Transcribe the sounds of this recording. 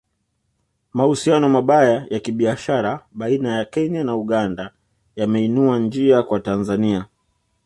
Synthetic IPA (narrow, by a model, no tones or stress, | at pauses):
mahusianɔmaɓajajakiɓiaʃaɾaɓainajakɛɲanauɠanda | jamɛinuand͡ʒiakwatanzania